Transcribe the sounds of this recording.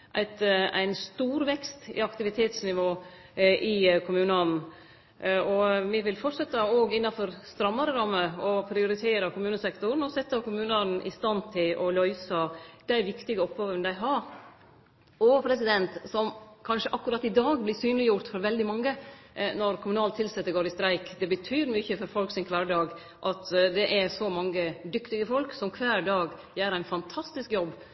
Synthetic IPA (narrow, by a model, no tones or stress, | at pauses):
ʔæ̰ɪt̪æ̰ɪnst̪uːɾʋɛkst̪ɪ̰ɑkt̪ɪʋɪt̪ʰeːt̪snɪʋoː | ʔɪkʰʊmʉːnəɑnn̩ | ɔʋɪʋɪlfɔʈʂɛt̪ːəoːɡɪnːɑfɔɾst̪ɾɑmːɑɾəɾɑmːəɔpʰɾɪʊɾɪt̪ʰeːɾəkʰʊmʉːnəsɛkt̪ʊɾn̩ɔsɛt̪ːɑkʊmʉːnɑn̩ʔɪ̰st̪ɑnt̪ʰɪlʔɔlœʏsəd̪̥æɪʋɪkt̪ɪɡəɔpɡɑːʋənd̪æɪɦɑɾ | ɔpʰɾɛsɪd̪ɛnt̪sɔmkʰɑnʂəʔɑkːʉɾɑt̪ːɪd̪ɑːɡblɪsyːnlɪjʊɾt̪fɔɾʋɛld̪ɪmɑŋːənɔɾkʰʊmʉnɑːlt̪ʰɪlsɛt̪ːəɾɡoːɾɪst̪ɾæɪkd̪ɛbət̪ʰyːɾmʏçəfɔɾfɔlksɪnkʰʋæːɖɑːɡ | ʔɑt̪d̪ɛʔæɾsɔmɑŋːəd̪ʏkt̪ɪɡəfɔlksɔmkʰʋæːɾɖɑːɡ | jæːɾæɪnfɑnt̪ʰɑst̪ɪskjɔbː